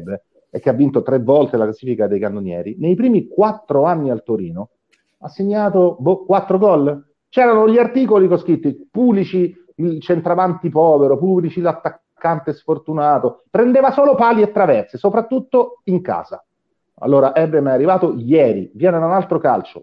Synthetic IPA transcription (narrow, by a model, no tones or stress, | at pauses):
bːe | ek̟ːeavːint̪ot̪ɾevːɔlt̪elaklasiːfikad̪ejkand̪onjɛ̰ːɾinejpɾiːmikwat̪ːɾoanːialt̪oɾḭːno | asːeɲːaːt̪obokwat̪ːɾoɡɔlː | t͡ʃɛːɾanoʎiart̪iːkolikoskɾit̪ːipublit͡ʃi | it͡ʃent̪ɾavant̪ipɔːveɾopublit͡ʃilat̪ːakːant̪esfort̪unaːt̪opɾend̪eːvasoːlopaːliet̪ːɾavɛrt̪sesopɾat̪ːut̪ːoiŋka̰ːz̥a̰ | a̰lːoːɾaʔɛbːemɛarːivaːt̪ojɛːɾḭvjɛːned̪aunalt̪ɾoka̰lt͡ʃo̰